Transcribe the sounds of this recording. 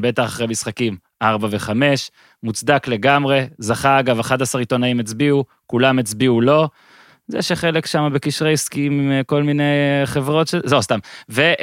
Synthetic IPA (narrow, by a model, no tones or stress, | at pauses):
be̞t̪aχaχʁemisχakim | ʔaʁbave̞χame̞ʃ | mut͡sd̪akle̞ɡamʁe̞zaχaːɡavaχad̪asaʁit̪o̞naimet͡sbiu | kulamet͡sbiulo̞ | zḛʃeχe̞lekʃamabe̞kiʃʁejskimimko̞lmine̞jχevʁo̞t̪ʃezewst̪amve